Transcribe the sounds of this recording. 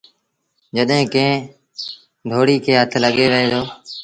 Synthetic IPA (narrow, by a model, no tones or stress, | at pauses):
d͡ʒəɗɦẽːkẽː | d̪ʱoːɽiːkʰeːɦət̪ʰləɠeːʋəeːt̪ʰoː